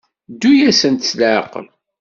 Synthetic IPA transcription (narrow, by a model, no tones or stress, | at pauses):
d̪ːujæsənt̪slʕə̰qːə̰l